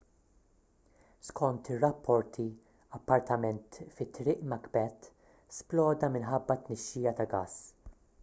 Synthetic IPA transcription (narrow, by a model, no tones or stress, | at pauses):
skʰɔnt̪ɪrːɐpʰːɔɾt̪ʰi | ɐpːɐɾt̪ɐmɛnt̪fɪt̪ːɾɪːʔmɐkbɛt̪ | splɔːd̪ɐmɪnħɐbːɐt̪nɛʃːiːjɐt̪ɐɡɐs